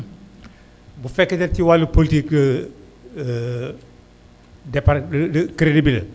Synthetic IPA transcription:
bufɛkːɐtɛɾtiwalupolitik | dɛpaɾkɾedibil̰

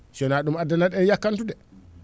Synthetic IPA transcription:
sɔnaɗumadːanaɗɛnjakːantudɛ

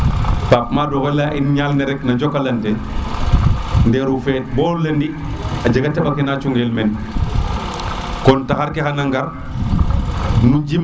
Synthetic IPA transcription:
paːp̚maːdɔɣelaʔinɲalnɛɾɛknɐɟɔkːalɐnte | ndɛɾufɛːt̚bɔːlɐndi | ad͡ʒɐɡatɛbakɛnat͡ʃuŋɡelmɛn | kɔntaxaɾkɛxanaŋɡaɾ | nuɟim

